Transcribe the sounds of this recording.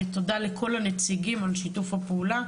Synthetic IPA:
t̪odale̞kʰo̞lanet͡siɡimalʃitufhapeula

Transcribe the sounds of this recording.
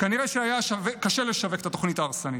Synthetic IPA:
kaniʁeʃeajaʃavekaʃeleʃaveket̪ato̞χnitaːʁsanit

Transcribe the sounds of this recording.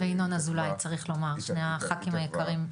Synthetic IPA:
veinonazulajt͡saʁiχlo̞maʁʃnejaχakimajekaʁim

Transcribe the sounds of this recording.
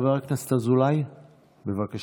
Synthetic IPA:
veʁaknast̪azulaj | bevakaʃ

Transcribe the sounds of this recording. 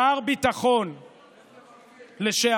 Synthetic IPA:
aʁbit̪aχo̞n | leʃe

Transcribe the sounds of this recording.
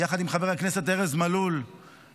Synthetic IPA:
jaχad̪imχabeakne̞set̪eʁezmalul

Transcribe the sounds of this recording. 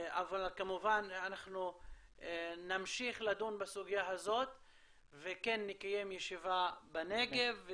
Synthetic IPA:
avalkamuvananaχnu | namʃiχlad̪unbasuɡijaɦazo̞t̪ | vekenːikaje̞mjeʃivabaneɡe̞v

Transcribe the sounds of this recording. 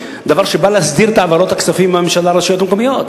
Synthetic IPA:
d̪avaʁʃebalehasd̪iʁt̪aavaɾo̞t̪haksafimbamemʃalaɾeʃajo̞t̪mekomijo̞t̪

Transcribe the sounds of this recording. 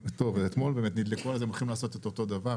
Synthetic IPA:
t̪o̞veet̪mo̞lbeːmet̪nid̪lekoalazemolχimlaːso̞t̪et̪ot̪o̞d̪ava

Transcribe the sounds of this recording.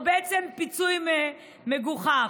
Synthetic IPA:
beʔet͡sempit͡sujme | meɡuχa

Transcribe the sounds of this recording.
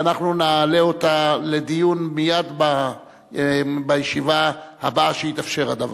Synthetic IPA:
naχnunaːleot̪ale̞d̪ijunmijad̪ba | bajeʃivahabaʃeit̪afʃe̞ʁad̪av

